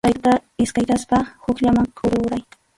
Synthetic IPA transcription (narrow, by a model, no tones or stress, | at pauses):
tajt̪aɪskajt̪aspahʊkʎamaŋkʰʊɾʊɾaj